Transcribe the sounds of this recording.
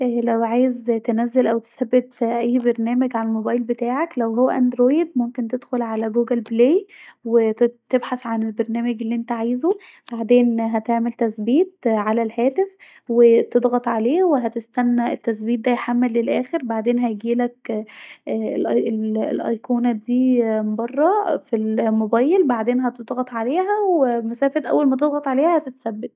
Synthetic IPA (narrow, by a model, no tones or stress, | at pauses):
ʔlæwʕaːjezt̪enæzːelʔæwt̪e̥sæbːet̪ʔæjːbeɾnæːmæɡʕalælmobɑːjlbet̪aːʕaklæwɦowːæʔænd̪ɾoːjd̪̚momkent̪ed̪xolʕalæɡuːɡælblejwet̪ebħasʕanelbeɾnæːmæɡelːiʔent̪æʕajzo | b̥aʕd̪eːnɦæt̪eʕmelt̪æsbiːt̪̚ʕalælhæːt̪ef | wet̪ed̪ˤɣɑt̪ˤʕaleːweɦæt̪est̪ænːæʔet̪ːæsbiːt̪̚d̪æjħamːelːelʔæːxeɾbaʕd̪eːnɦæjɡiːlækː | lʔel̰lʔɑ̰jkuːnæd̪iːmbɑrˤːɑfilmobɑːjːelbaʕd̪eːnɦæt̪ed̪ˤɣɑt̪ˤʕaleːɦæwemæsæːfet̪ʔæ̰wːælmæt̪ed̪ˤɣɑt̪ʕaleːhæhæt̪et̪sæbːet̪